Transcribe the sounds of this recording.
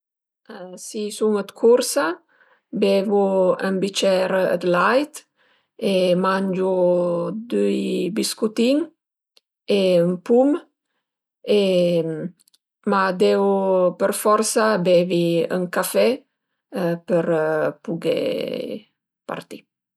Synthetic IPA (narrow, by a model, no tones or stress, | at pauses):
əsisuŋət̪kʰuɾsa | bevuəmbit͡ʃɛɾə̰d̪lajt̪ | emand͡ʒud̪yjbiskut̪iŋ | eəmpum | e | mad̪eupəɾfɔɾsabeviə̰ŋkafɛ | pəɾpuɡḛ | pa̰ɾt̪i